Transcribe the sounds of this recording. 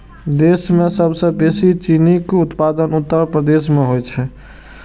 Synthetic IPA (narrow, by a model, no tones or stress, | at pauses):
d̪esmesəbsə̃besit͡ʃinikut̪pad̪ənut̪ːəɾpɾəd̪esmeɦojt͡ʃʰɛ